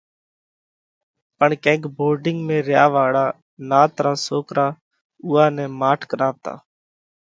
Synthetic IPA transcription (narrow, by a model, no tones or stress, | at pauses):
pəɳkɛ̃ːkboːɾɖɪŋɡmẽːɾjaːʋaːɽaː | naːt̪ɾaːsoːkɾʔaː | uːaːnɛ̃ːmaːʈʰkəɾaːʋt̪a̰ː